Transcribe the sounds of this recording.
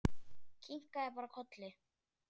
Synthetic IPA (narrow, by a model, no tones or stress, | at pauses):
kʰiŋ̥kaɛpaɾakʰɔt̪lɪ